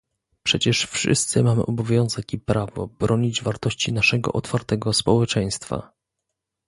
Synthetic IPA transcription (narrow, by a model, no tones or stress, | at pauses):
pʂɛt͡ɕɛʂfʂɘ̰st̪sɘmamɘ̰ʔɔbɔvʲjɔw̃zɛkipɾavɔ̰bɾɔɲid͡ʑvaɾt̪ɔɕt͡ɕinaʂɛɡɔ̰ʔɔt̪faɾt̪ɛɡɔspɔwɛt͡ʂɛj̃st̪fa̰